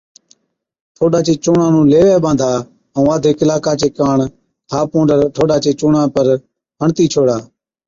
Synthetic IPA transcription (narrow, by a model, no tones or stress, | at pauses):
ʈ̪ʰoːɗaːt͡ʃeːt͡ʃʊːɳãːnũːleːʋeːɓãːnd̪ʱaː | ũːaːd̪ʱeːkɪlaːkaːt͡ʃeːkaːɳ | kʰaːpõːɳɖəɾʈʰoːɗaːt͡ʃeːt͡ʃʊːɳãːpəɾ | ɦəɳt̪iːt͡ʃʰoːɽaː